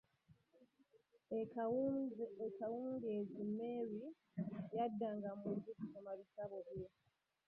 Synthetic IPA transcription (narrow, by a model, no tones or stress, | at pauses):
ekawuːŋɡiezimeɾi | jadːaŋɡamuzikusomaβisaβoβje